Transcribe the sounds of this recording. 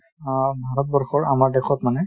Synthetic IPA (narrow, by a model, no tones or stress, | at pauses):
bʱaɹɔt̚bɔɹxɔɹamaɹdɛkʰɔtmanɛ